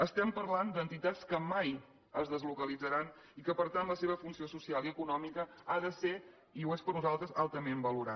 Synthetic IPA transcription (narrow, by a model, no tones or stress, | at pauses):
əst̪ɛmpəɾland̪ənt̪it̪at͡skəmaj | əzðəzlukəlid͡zəɾan | ikəpəɾt̪anləseβ̞əfunsiosusialˠiəkunɔmikəaðəse | iuespəɾnuzalˠt̪ɾəzalˠt̪əmembəluɾa